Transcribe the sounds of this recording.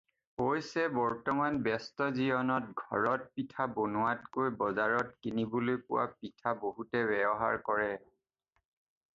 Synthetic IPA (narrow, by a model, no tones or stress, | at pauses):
pojsɛbɔɹtɔmanbɛstɔziɔnɔtɡʱɔ̰ɹɔt̚pitʰabonʊatkojbɔzaɹɔtkinibolojkʊ̰wa̰pitʰaboɦutɛbɛbɔɦa̰ɹkɔɹɛ